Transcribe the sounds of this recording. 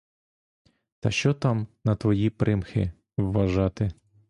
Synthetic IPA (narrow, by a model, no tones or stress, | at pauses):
t̪ɐʃt͡ʃɔt̪ɑmnɐt̪ʋɔjipɾɪmxɪ | wːɐʒɑt̪ɪ